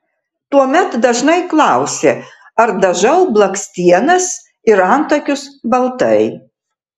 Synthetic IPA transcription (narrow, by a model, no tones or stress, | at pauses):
t̪uɔmʲɛt̪d̪ɐʒnɐɪklˠɑˑʊsʲeː | ɐɾd̪ɐʒɐʊblˠɐksʲt̪ʲiɛnɐs | ɪɾɐnt̪ɐkʲʊsbɐlˠt̪ɐɪ